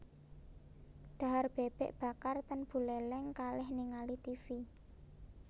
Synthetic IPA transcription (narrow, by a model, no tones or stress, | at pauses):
d̪̥a̤ɦarb̥eb̥ɛʔb̥a̤kart̪ənb̥ṳlɛlɛŋkalɪhniŋalit̪ifi